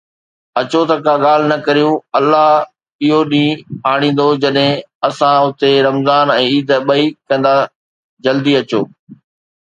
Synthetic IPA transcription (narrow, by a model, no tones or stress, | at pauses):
ɐt͡ɕot̪ɐkaɠaːl̤nɐkɐɾijũɐlːaɦ | ɪɦoɗĩːaːɽ̃ĩːn̆d̪od͡ʑɐɗɦɪ̃ | ɐsãʊt̪eɾɐmzaːnɛ̃ːiːd̪ɓɐikɐ̃n̆d̪a | d͡ʑɐld̪iɐt͡ɕo̰ː